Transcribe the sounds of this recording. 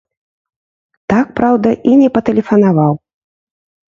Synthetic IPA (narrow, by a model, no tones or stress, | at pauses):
t̪ak̚pɾawd̪ɐʔinʲɛpɐt̪ɛlʲɛfɐnavaw